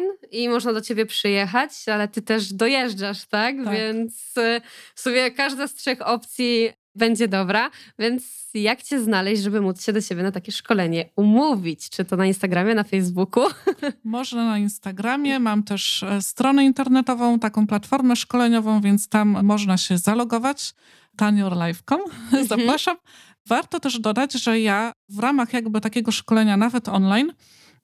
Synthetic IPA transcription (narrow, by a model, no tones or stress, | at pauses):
nimɔʐnad̪ɔt͡ɕebʲjɛpʂɘjɛxat͡ɕalɛt̪ɘt̪ɛʐd̪ɔjɛʐd͡ʐaʂt̪akvʲjɛnt̪sfsumʲjɛkaʐd̪ast̪ʂɛxɔp̚t̪sʲji | bɛɲd͡ʑɛd̪ɔbɾavʲjɛnt̪s | jakt͡ɕɛznalɛɕʐɛbɘmut̪sɕɛd̪ɔt͡ɕebʲjɛnat̪akʲɛʂkɔlɛɲɛumuvʲit͡ɕt͡ʂɘt̪ɔnainst̪aɡɾamʲjɛnafɛjzbukumɔʐnanainst̪aɡɾamʲjɛmamt̪ɛʂst̪ɾɔnɛint̪ɛɾnɛt̪ɔvɔ̃w̃t̪akɔ̃w̃plat̪fɔɾmɛʂkɔlɛɲɔvɔ̃w̃vʲjɛnt̪st̪amːɔʐnaɕɛzalɔɡɔvat͡ɕ | t̪aɲɔɾlajfkɔmzapɾaʂam | vaɾt̪ɔt̪ɛʐd̪ɔd̪ad͡ʑʐɛjavɾamaxjaɡbɘt̪akʲeɡɔʂkɔlɛɲanavɛt̪ɔnlajn